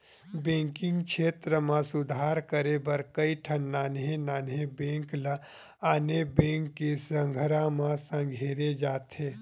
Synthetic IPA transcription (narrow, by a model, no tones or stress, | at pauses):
bẽːŋkɪ̃ŋɡkʃʰeːt̪ɾəmãsʊd̪ʱaːɾkəɾebɐɾkəiʈʰɐnːaːnɦẽnaːnɦẽbẽːŋkla | aːnebẽːŋkːisɐ̃ŋɡʱəɾãmãsɐ̃ŋɡʱeːɾed͡ʒaːt̪ɦeː